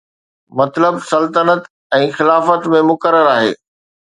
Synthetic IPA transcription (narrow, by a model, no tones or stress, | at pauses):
mɐt̪ləbsɐlt̪ənət̪ | ɛ̃ːxɪlaːfət̪mẽmʊkəɾəɾaːɦḛː